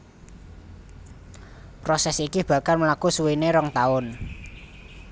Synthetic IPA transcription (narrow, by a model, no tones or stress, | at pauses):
pɾɔsɛsikib̥ä̤kalməlakusuwineɾɔŋt̪aʊn